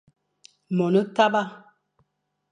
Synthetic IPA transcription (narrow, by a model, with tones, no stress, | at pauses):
mɔ˨nə˦ta˦ba˦